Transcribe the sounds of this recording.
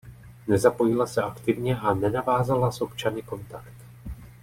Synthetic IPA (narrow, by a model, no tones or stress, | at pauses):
nɛzapo̞jɪlasɛakt̪ɪvɲɛʔanɛnavaːzalasʔo̞pt͡ʃanɪko̞nt̪akt̪